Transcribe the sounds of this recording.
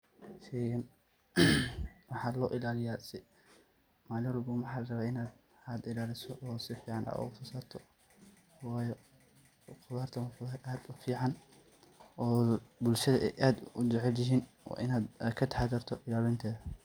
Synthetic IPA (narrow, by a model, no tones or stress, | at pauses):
ʃɛːɣɐn | wɑħɑːlɔːʔɪlaːlɪjaːsɪ | maːlɪwɔlbuːmwɑħɑːlɐrɐβaːɪnaːd̪ | aːd̪ɪlaːlɪsɔʔɔːsɪfiːʕɑnʔa̰ʊfʊsaːt̪ʰɔ | wɑːjɔ | qʊðaːrt̪ʰɐwfʊɐʔaːd̪ʊfiːʕɑn | ʔɔːbʊlʃɐðɐʔɛ̰jʔaːd̪ʊd͡ʒɛʕɛljɪɦiːnwɑ̰ːʔɪnaːd̪kʰɐt̪ʰħaːd̪ɐrt̪ʰɔʔɪlaːlɪnt̪ʰɛːðɐ